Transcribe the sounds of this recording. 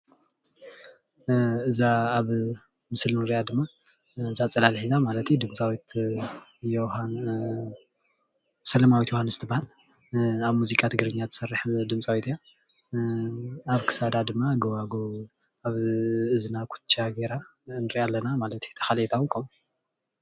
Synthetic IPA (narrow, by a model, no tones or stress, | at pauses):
ɨzaaβ | mɨslnɨɾiʔad̪ɨmːa | ɨzat͡sʼɐlalħizamalɐt̪jud̪ɨmt͡sʼawit̪ | johan | sɐlɐmawit̪johanzɨt̪ʰɨbːahal | aβmuzikʼat̪ʰɨɡɨɾɨɲːat̪ʰɨ̥sɐrːɨħd̪ɨmt͡sʼawit̪ʰɨja | aβkʰɨ̥sad̪ad̪ɨmːaɡɐwaɡo | aβɨznakʷʰu̥t͡ʃʼaɡeɾanɨɾiʔalːɐnamalɐt̪ʰjut̪ʰɐ̥xalet̪ʰawŋkʰomu